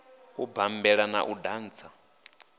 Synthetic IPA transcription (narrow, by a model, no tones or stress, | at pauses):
ubambɛɺana̰ʔudaːnt͡sʰa